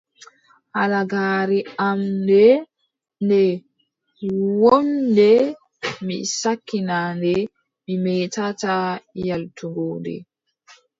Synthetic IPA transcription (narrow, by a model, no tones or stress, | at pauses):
halaɡaːɾiamdɛ | ndɛ | wondɛ | misakːinandɛ | mimɛtatajaltuɡɔːdɛ̰